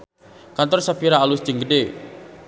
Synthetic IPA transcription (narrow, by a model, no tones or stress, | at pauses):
kant̪ɔrsapiɾaːlusd͡ʒəŋɡəde